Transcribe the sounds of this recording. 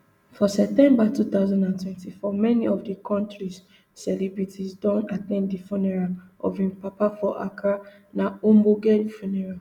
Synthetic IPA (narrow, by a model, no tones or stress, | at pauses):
fɔsɛp̚tɛ̃mbatut̪aʊzɔ̃ndãntʰwɛ̃ntifɔmɛniɔfdikʰɔ̃ntɹisː | ɛlɛbɹitʰisdɔ̃natɛ̃nddifɔnɛɹaʔɔ̰vĩmpapafɔʔa̰kʰa | naomboɡɛdfɔnɛɹa